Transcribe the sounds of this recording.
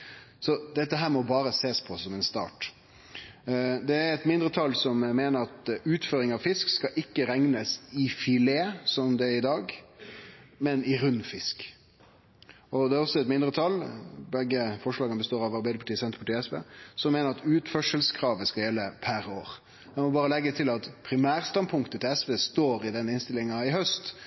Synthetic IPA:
sɔd̪ɛt̪ːəɦæːɾmɔbɑːɾəseːspʰɔsɔmɛnst̪ɑ̰ːʈ | d̪ɛæɾɛt̪mɪnd̪ɾət̪ʰɑlːsɔmmeːnəɾɑt̪ʉːt̪føːɾɪŋɑʋfɪskskɑʔɪkːəɾɛŋnəsɪfɪleːsɔmd̪ɛæɾɪd̪ɑːɡ | mɛnɪɾʉnːfɪsk | ɔd̪ɛæɾɔsːɔɛt̪mɪnd̪ɾət̪ʰɑlːbɛɡːəfɔʂlɑːɡənbəst̪oːɾɑʋɑɾbæɪd̪əpʰɑʈiːsɛnt̪əpʰɑʈiːɛsʋḛːsɔmːeːnəɾɑt̪ʉːt̪fœʂəlskʰɾɑːʋəskɑljɛlːəpʰæɾoːɾ | ɛmɔbɑːɾəlɛɡːət̪ʰɪlɑt̪pʰɾɪmæːɾst̪ɑnpʰʊŋkt̪ət̪ʰɪlɛsʋeːst̪oːɾɪd̪ɛnːɪnst̪ɪlɪŋɑɪɦœst̪

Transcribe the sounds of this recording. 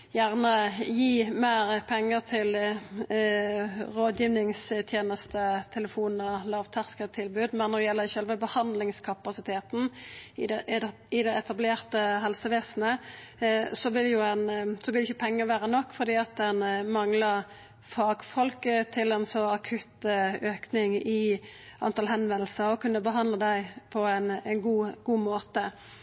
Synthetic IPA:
jæːʁnəjiːmeːɾpʰɛŋːəʁt̪ʰɪl | ʁoːd̪jiːʋnɪŋst̪ʰjeːnəst̪ət̪ʰɛləfuːnn̩əlɑːʋt̪ʰæʁskət̪ʰɪlbʉːd̪mɛnːɔd̪ɛjɛlːəçœlʋəbəhɑnd̪lɪŋskʰɑpɑsɪt̪ʰeːt̪n̩ | ɪd̪ɛɛt̪ɑbleːʁt̪əɦɛlsəʋeːsnə | sɔʋɪljʊɛnsɔʋɪlɪçːəpʰɛŋːəʋæːʁənɔkːfɔʁd̪iːɑt̪̚d̪ɛnmɑŋlɑ | fɑːɡfɔlkət̪ʰɪlɛnsɔɑkʰʉt̪øːknɪŋɪʔɑ̰nt̪ʰɑlɦɛnʋɛnl̩səʁɔkʉnːəbəɦɑnd̪ləd̪æɪpʰɔænnɡuːɡ̥uːmoːt̪ə

